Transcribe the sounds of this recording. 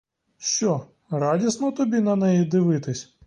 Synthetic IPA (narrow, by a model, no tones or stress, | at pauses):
ɕʲɔ | rɑdʲisnɔt̪ɔbʲinɐnɛjid̪ɪʋɪt̪ɪsʲ